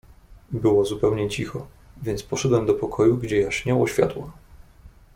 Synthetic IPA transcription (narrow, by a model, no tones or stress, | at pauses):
bɘwɔzupɛwɲɛt͡ɕixɔ | vʲjɛnt̪spɔʂɛd̪wɛmd̪ɔpɔkʰɔjuɡd͡ʑɛjaɕɲɔwɔɕfʲja̰t̪wa